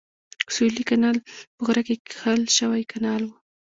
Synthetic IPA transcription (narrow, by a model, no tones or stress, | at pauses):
sulikanɑlpəɣɾakekxəlʃəwajkanɑlwu